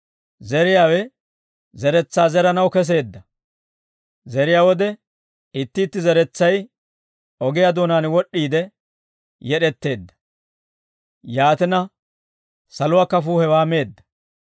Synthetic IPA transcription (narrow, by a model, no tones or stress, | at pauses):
zɛɾɪjaːwɛ | zɛɾɛt͡sːaːzɛɾɐnɐwkɛs̬e̞ːd̪ːɐ | zɛɾɪjaːwɔd̪ɛ | ɪt̪ːɪːt̪ːɪzɛɾɛt͡sːɐj | ɔɡɪjad̪o̞ːnaːnwɔɗːiːd̪ɛ | jɛɗɛt̪ːe̞ːd̪ːɐ̥ | jaːt̪ɪnɐ | sɐlʊwaːkɐfuːhɛwaːme̞ːd̪ːɐ̥